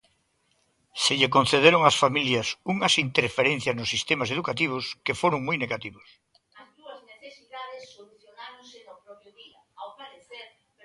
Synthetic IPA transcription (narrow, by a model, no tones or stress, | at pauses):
seʎekon̟θeðeɾoŋasfamiljɐsuŋɐsint̪eɾfeɾẽn̟θjaznʊsːist̪emaseðukat̪̬iβ̞ʊskefoɾoŋmujneɣat̪iβos | ɐzðuɐzneθesiðaðesːoluθjonaɾõŋsenopɾɔpɾjʊβiɐawpaɾeθeɾ